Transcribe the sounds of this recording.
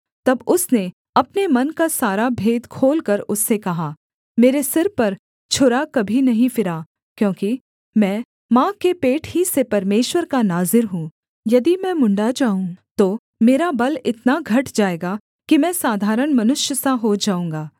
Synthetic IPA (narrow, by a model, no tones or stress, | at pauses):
t̪ɐbʊsne | ɐpnemɐnkasaːɾabʱeːd̪kʰoːlkɐɾʊsːekɐɦaː | meːɾesɪɾpɐɾ | t͡ʃʰʊɾakɐbʱinɐɦĩfɪɾaː | kjõːki | mɛ̃ː | mãːkepeːʈʰɦisepɐɾmeːʃwəɾkanaːzɪɾɦũ | jɐd̪imɛ̃mʊ̃ɳɖad͡ʒaːũt̪oː | meːɾabɐlɪt̪naɡʱɐʈd͡ʒaːeːɡa | kimɛ̃ːsaːd̪ʱaːɾəɽ̃mɐnʊʃjəsaɦod͡ʒaːũːŋ̆ɡaː